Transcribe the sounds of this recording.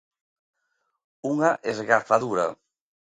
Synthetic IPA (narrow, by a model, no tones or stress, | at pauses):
uŋaʔezɣafaðuɾa̰